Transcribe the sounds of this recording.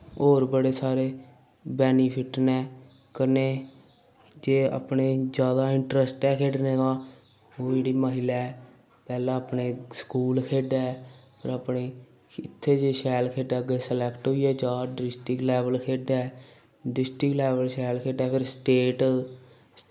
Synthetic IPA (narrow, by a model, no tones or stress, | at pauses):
oːɾbəɽeːsaːɾeː | bɛːniːpʰɪʈnɛː | kəneː | d͡ʒeːa̰pɳeːd͡ʒjaːd̪aːɪɳʈɾəsʈɛːkʰeːɖneːd̪ãː | oːeɽiːməːɦɪleɛː | pɛːlãːəpneːskuːlkʰeːɖaɛːpʰəɾəpneː | ɪt̪ʰːeːd͡ʒeːʃɛːlkʰeːɖaːɡesəlɛːkʈɦoːiɛːd͡ʒaːɖɾɪsʈɪklɛːʋəlkʰeːɖaɛː | ɖɪsʈɪklɛːʋəlʃɛːlkʰeːɖaːpʰɪɾsʈeːʈ